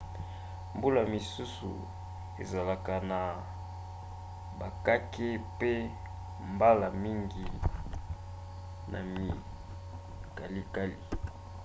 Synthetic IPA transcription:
mbu˦la˨mi˨su˦sṵ˨ | ḛ˨za˨la˨ka˨na˨ | ba˨ka˦kʰe˦pe˦ | mba˦la˨mi˦ŋɡi˨ | nʔa̰˨mi˨ | ka˨li˦ka˦li˨

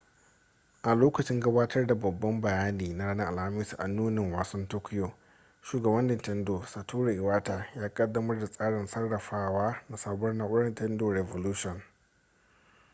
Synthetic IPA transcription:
ʔa˨loː˦kɐ˨t͡ʃɪ˦ŋɡɐ˦baː˦tʰɐ˦rda˨bɐ˨bːɐ˦mbɐ˨jaː˦niː˨na˦ɽaː˦na˦ʔa˨lha˦mɪ˦sʔa̰˨nuː˦nɪ˨ŋwaː˨sɐ˦ntoː˦kʲɪ˦jo˨ | ʃuː˨ɡɐ˨bɐ˦ndɪ˨ntɛ˦ndo˨sa˨tʰuː˦ɾa˨ʔɪ˨waː˦taː˨jaː˦kʼɐ˦dːɐ˦mɐ˦rda˨sʼaː˦ɽɪ˨nsɐ˦rːɐ˨ɸaː˦waː˦na˨saː˦bɔ˦rnaː˦ʔʷʊ˦ɽɐ˦ntɛ˦ndoː˨ɾɛ˨vo˨luː˦ʃɔ˨n

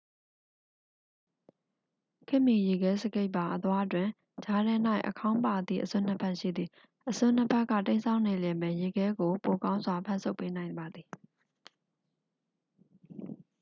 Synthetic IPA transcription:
kʰɪ˦˨mːi˨je˨ɡɛ˨˦sə˦ɡe˦ɪʔpːã˨ʔət̪wa˦twɪ̃˨ | d͡ʑa˦ɾɛ˦n̥a˦˨ɪʔəkʰã˦ʊ̃mpa˨d̪ðḭ˦˨ʔəsʊ̰̃˦˨n̥ə˦pʰã˦˨ʃḭ˦˨d̪ðḭ˦˨ | ʔəsʊ̃˦n̥ə˦pʰɛ˦ʔkːä̰˦˨tẽ˦ɪnsʰã˦ʊ̃ne˨ljɛ˨mɛ˨je˨ɡɛ˦ɡo˨po˨kã˦ʊ̃nzwa˨pʰã̰˦˨nsʰo˦ʊpːe˦nã˨ɪ̃mba˨d̪ði˨

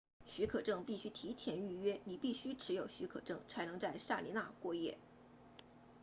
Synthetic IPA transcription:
ɕy˧˥kʰɤ˨˩ʈ͡ʂɤ˥˩ŋpi˥˩ɕy˥t̪ʰi˧˥t̪ʰjɛ˧˥ny˥˧ɥɛ˥ni˨˩pi˥˩ɕy˥ʈ͡ʂʰɻ̩˧˥jo˨˩ʊɕy˧˥kʰɤ̰˨˩ʈ͡ʂɤ˥˩ŋt͡sʰa˧˥ɪnɤ˧˥ŋt͡sa˥˧ɪʂa˥˩li˧˥na̰˥˧kwɔ˥˧jɛ̰˥˩

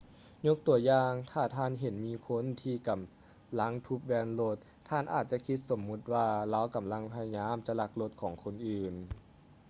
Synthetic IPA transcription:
ɲo˧˥k̚t̪u˨˩˦ɐjaː˧ŋt̪ʰaː˧˩t̪ʰaː˧˩˨nɦe˨˩˦nmiː˧˥kʰo˧˥˨nt̪ʰiː˧˩ka˨˩m | la˧˥ŋt̪ʰu˧˥p̚wɛː˧nlo˧˥t̪̚ʰːaː˧˥˩nʔaː˨˩t̪̚t͡ɕa˧˦kʰi˧˦˥t̪̚so˩˦mːu˧˥t̪̚waː˧la˧˥˨wka˨˩˦mla˧˥ŋpʰa˧ja˧ɲaː˧˥˨mt͡ɕa˧˦la˧˥k̚lo˧˦t̪̚kʰɔː˩˦ŋkʰo˧˨nʔɯː˨˩n

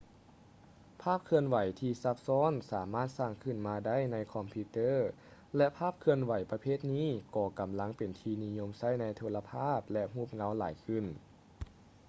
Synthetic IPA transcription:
pʰaː˥˩p̚kʰɯ˧ənwa˨˦jt̪ʰiː˧sa˧p̚sɔː˧˥˨nsaː˩˦maː˥˩t̪̚saː˧˩ŋkʰɯ˧˩nmaː˧da˥˨jna˧˥jkʰɔ˧mpʰi˧˥t̪ɤː˥˨ | lɛ˧ʔpʰaː˥˩p̚kʰɯ˧ənwa˨˩˦jpa˧pʰeː˥˩t̪̚niː˥˨kɔː˧˩ka˨˩mla˧˥˨ŋpe˨˩nt̪ʰiː˧ni˦˧ɲo˧˥˨msa˥˩˨jna˧˥jt̪ʰoː˧la˧pʰaː˥˩p̚lɛ˧ʔɦuː˧˥˩p̚ŋa˧˥˨wla̰ː˩˦jkʰɯ˧˩˨n

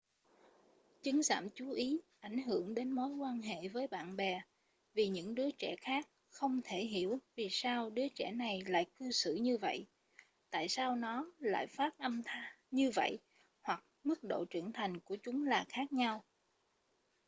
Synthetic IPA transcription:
t͡ɕɨ˨˦ŋza̰ː˧˨mt͡ɕu˨˦ʔi˨˦ʔa˧˩jŋ̟ɦɨ˧˩əŋɗe˨˦nmo˨˦jkwaː˧nɦḛ˧˨vəː˨˦jɓa̰ː˧˨nɓɛ˨˩ | vi˨˩ɲɨ̰˧˥ŋɗɨ˨˦ət͡ɕɛ˧˩xaː˦˥k̚ | xə˧wŋ͡mt̪ʰe˧˩ɦi˧˩əwvi˨˩saː˧wɗɨ˨˦ət͡ɕɛ˧˩na˨˩jla̰ː˧˨jkɨ˧sɨ̰˧˩˨ɲɨ˧və̰˧˨jʔ | t̪a̰ː˧˨jsaː˧wnɔ˨˦la̰ː˧˨jfaː˦˥t̚ʔə˧mt̪ʰaː˧˦ | ɲɨ˧və̰˧˨j | hwa˨˩k̚mɨ˦˥k̚ɗo̰˧˨t͡ɕɨ˧˩əŋnt̪ʰa˨˩jŋ̟ku˧˩ət͡ɕʊ˨˦ŋ͡mlaː˨˩xaː˦˥k̚ɲa˧w

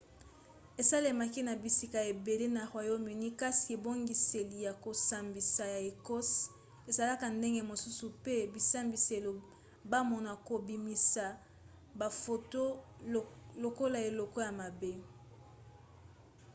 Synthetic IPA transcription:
e˨sa˦le˨ma˨ki˦na˨bi˨si˦ka˨je˨be˨le˦na˨ʁwa˨jo˦mi˨ni˦ka˦si˨e˨bo˦ŋɡi˨se˨li˨ja˨ko˨sa˨mbi˨sa˨ja˨e˨kɔ˦s | e˨za˨la˦ka˨nde˦ŋɡe˦mo˨su˦su˨pe˦bi˨sa˦mbi˨se˨lo˨ | ba˦mɔ˨na˨ko˨bi˨mi˨sa˨ | ba˨fo˨to˦ | lo˨ko˦la˨e˨lɔ˨kɔ˦ja˨ma˨be˦

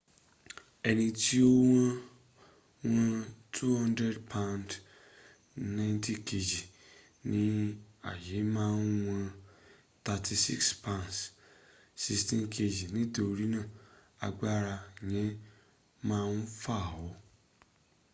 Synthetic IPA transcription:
ɛ˧nĩ˧ti˦o˦w̃ã˦ | wã˧tʰu˦hã˦ndɾɛ˦dpʰa˧nd | nã˦nti˦ke˧d͡ʒi˨ | nĩ˨˦a̰˦˨je˨˦mãː˦˧n˦w̃ã˧ | ta˧tʰi˧sḭ˦kspã˧˨ns | si˧stĩ˦nkʰe˧d͡ʒi˨nĩ˨˦do˨˧ɾi˦nã˦˨ | a̰˧ɡ͡ba˦ɾa˧˨jɛ̃˨˦ | mãː˦˧nu˦fa˦˨wɔ˨˦

